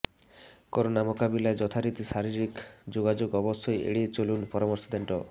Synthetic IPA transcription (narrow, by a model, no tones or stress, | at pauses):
kɔɾonamokabilaed͡ʒɔt̪ʰaɾit̪isaɾiɾikd͡ʒoɡad͡ʒoɡɔbɔsʰɔjḛɽiet͡ʃolunpɔɾɔmɔɾsɔd̪eɳʈɔ